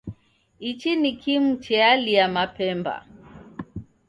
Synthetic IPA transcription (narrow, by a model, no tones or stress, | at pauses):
it͡ʃinikʰimut͡ʃɛaliamapɛmba̰